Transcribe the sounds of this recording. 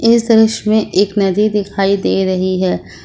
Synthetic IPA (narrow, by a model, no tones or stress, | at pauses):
ɪsd̪ɾəʃmẽʔeːknɐd̪id̪ɪkʰaːid̪eːɾɐɦiɦɛː